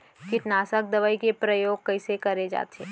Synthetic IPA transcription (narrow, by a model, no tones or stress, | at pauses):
kɪʈnaːsək̚d̪ɐʋaːikepɾəjoːɡ̚kɐisekɐɾed͡ʒa̰ːt̪ʰeː